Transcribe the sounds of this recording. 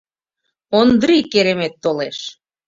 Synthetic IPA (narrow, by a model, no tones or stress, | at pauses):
ond̪ɾikeɾemet̪ːoleʃ